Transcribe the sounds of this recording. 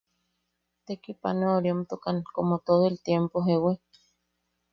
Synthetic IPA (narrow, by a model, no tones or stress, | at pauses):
t̪ekipa̰neoɾjomt̪ukaŋkomot̪oðoelt̪jempoɦewe